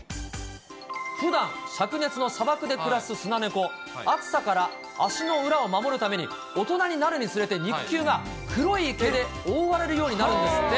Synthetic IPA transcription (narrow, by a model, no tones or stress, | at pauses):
ɸɯ̟d̪ãɰ̃ɕakɯ̟ne̞t͡sɨno̞sabakɯ̟d̪e̞kɯ̟ɾasɨsɨnane̞ko̞ | akɯ̥sakaɾaː | ɕino̞ɯ̟ɾao̞mamo̞ɾɯ̟t̪ame̞ɲ̟ḭ | o̞t̪o̞naɲ̟inaɾɯ̟ɲ̟it͡sɨɾe̞t̪e̞ɲ̟ikʲːɨːɡa | kɯ̟ɾo̞iːke̞d̪e̞ | oːβaɾe̞ɾɯ̟jo̞ːɲ̟inaɾɯ̟̃nd̪esɨ̥ːe